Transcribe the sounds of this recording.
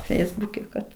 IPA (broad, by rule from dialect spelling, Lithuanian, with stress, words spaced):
ˈfʲɛɪzbʊkʲɛ kɐt